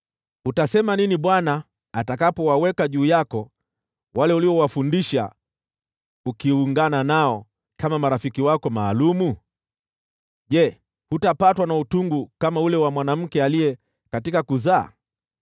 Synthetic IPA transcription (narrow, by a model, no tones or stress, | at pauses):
utasɛmaniniɓwanaː | takapɔwawɛkaʄuːjakɔ | walɛuliwɔwafundiʃa̰ | ukiuŋɡananaɔ | kamamaɾafikiwakɔmaːlumu | ʄɛ | hutapatwanautuŋɡukamaulɛwamwanam̩kɛalijɛ | katikakuza̰ː